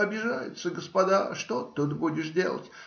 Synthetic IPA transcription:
ɐbʲɪʐajɪ̰t̪səɡəspɐd̪aʂt̪ot̪ːɨt̪budʲɪʂdʲe̞̰lˠə̰tʲ

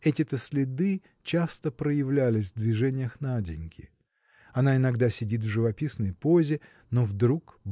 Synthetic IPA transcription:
ɛtʲɪt̪əsʲlʲɪd̪ɨ | t͡ɕast̪əpɾəjɪvlʲælʲɪsʲvd̪vʲɪʐɛnʲɪjəxnadʲɪnʲkʲʰɪ̰ | ɐnaɪnɐɡd̪asʲɪdʲit̪vʐɨvɐpʲisnəjpo̞zʲɪ | novd̪ɾukb

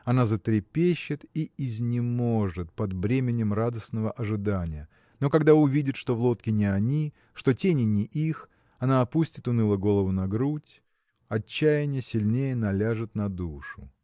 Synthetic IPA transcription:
ɐnazət̪ɾʲɪpʲeɕːɪt̪iɪzʲnʲɪmo̞ʐɨt̪̚pɐd̪bɾʲemʲɪnʲɪmrad̪əsnəvəʔɐʐɨd̪anʲɪjə | no̞kɐɡd̪aʊvʲidʲɪt̪ʂt̪o̞vlˠo̞t̪kʲɪnʲɪɐnʲi | ʂt̪o̞tʲenʲɪnʲɪʔix | ɐnaːpusʲtʲɪt̪ʊnɨlˠəɡo̞lˠəvʊnɐɡɾutʲ | ɐt͡ɕːæjɪnʲjəsʲɪlʲnʲejənɐlʲaʐɨt̪nɐd̪uʂʊ

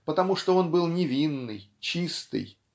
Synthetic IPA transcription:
pət̪ɐmuʂt̪oo̞nbɨlˠnʲɪvʲinːɨ̰jt͡ɕist̪ɨ̰j

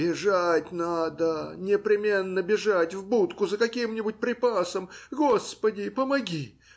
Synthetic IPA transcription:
bʲɪʐatʲnad̪ənʲɪpɾʲɪmʲe̞nːəbʲɪʐatʲvbut̪kʊzəkɐkʲimnʲɪbʊt̚ʲpɾʲɪpasəmɡo̞spədʲɪpəmɐɡʲi

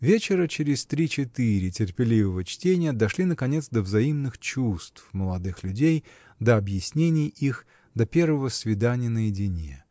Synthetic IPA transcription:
vʲet͡ɕɪɾət͡ɕɪɾʲɪsʲt̪ɾʲit͡ɕɪt̪ɨɾʲɪtʲɪrpʲɪlʲivəvət͡ɕtʲenʲɪjəd̪ɐʂlʲinəkɐnʲe̞t̪sd̪əvzɐimnɨxt͡ɕust̪fməlˠɐd̪ɨxlʲʉdʲej | d̪əɐbjɪsʲnʲenʲɪjix | d̪ɐpʲe̞rvəvəsvʲɪd̪anʲɪjənəjɪdʲɪnʲḛ

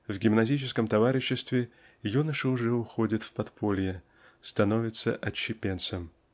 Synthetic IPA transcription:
vɡʲɪmnɐzʲit͡ɕɪskəmt̪ɐvaɾʲɪɕːɪst̪vʲɪ | junəʂɨʊʐɛʊxodʲɪt̪fpɐt̪pʰolʲɪjɪ | st̪ɐnovʲɪt̪sə̰ʔɐt͡ɕːɪpʲent̪səm

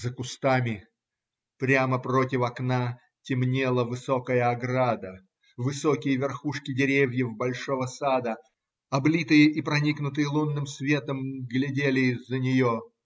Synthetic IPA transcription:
zəkʊst̪amʲɪ | pɾʲaməprotʲɪfɐkna | tʲɪmnʲelˠəvɨsokəjəɐɡɾad̪ə | vɨsokʲɪjəvʲɪrxuʂkʲɪdʲɪɾʲevʲjəvbɐlʲʂovəsad̪ə | ɐblʲit̪ɨjəʔipɾɐnʲiknʊt̪ɨjəlˠunːɨmsvʲe̞t̪əmɡlʲɪdʲelʲɪɪzːənʲɪjo

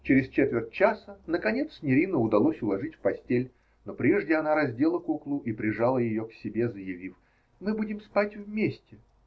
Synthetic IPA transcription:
t͡ɕɪɾʲɪst͡ɕet̪vʲɪrtʲt͡ɕasənəkɐnʲe̞t̪sʲnʲɪɾʲinəʊd̪ɐlˠosʲʊlˠɐʐɨtʲfpɐsʲtʲelʲ | no̞pɾʲe̞ʐdʲɪɐnaɾɐzʲdʲe̞lˠəkuklˠʊʔipɾʲɪʐalˠəjɪjo̞ksʲɪbʲe̞zəjɪvʲif | mɨbudʲɪmspatʲvmʲesʲtʲɪ

